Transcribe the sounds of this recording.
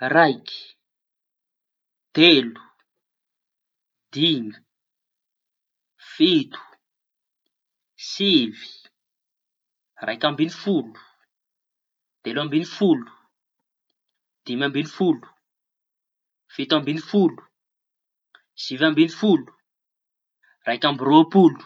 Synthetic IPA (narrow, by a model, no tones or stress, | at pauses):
rajkʲi̥ | d̪̥elu̥ | d̪̥imi | fit̪u̥ | sivi̥ | rʔajkambinifulu̥ | d̪̥elambinifulu̥ | d̪̥imambinifulu̥ | fit̪ambinifulu̥ | sivambinifulu̥ | rajkambiropulu̥